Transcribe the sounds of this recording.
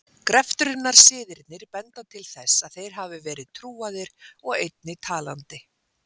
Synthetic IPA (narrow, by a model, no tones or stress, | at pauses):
kɾɛft̪ɾʏnnːaɾ̥sɪːðɪɾt̪nɪɾ̥pɛnt̪at̪ʰɪlθɛsːaðθejɾ̥ɦaːvɪvɛːɾɪðt̪ʰɾuːaðɪɾ̥ɔɣejt̪̚nɪt̪ʰaːla̰nt̪ɪ